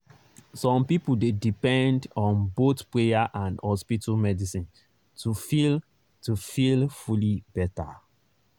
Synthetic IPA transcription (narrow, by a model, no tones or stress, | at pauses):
sɔ̃mpipudedipɛ̃ndɔ̃nbotpɹejaʔãndhɔspitamɛdisĩn | tufil | tufilfulib̥ɛta